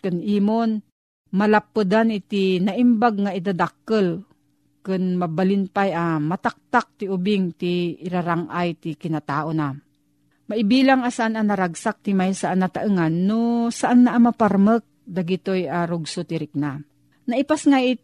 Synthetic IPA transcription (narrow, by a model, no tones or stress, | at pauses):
kɨnʔiːmon | malapːɨd̪anɪt̪inaʔimbaɡ̚ŋaɪd̪ad̪akːəl | kɨnmabalɪnpajamat̪ak̚t̪ak̚t̪iʊbɪŋt̪iːɾaɾaŋʔajt̪ikɪnat̪aːʔona | maʔɪbiːlaŋasaʔananaɾaɡsak̚t̪imajsaʔanat̪aʔŋanːosaʔanːaʔamapaɾmək̚d̪aɡit̪ojʔaɾʊɡsot̪ɪɾɪk̚na | naʔipasŋaʔɪt̪̚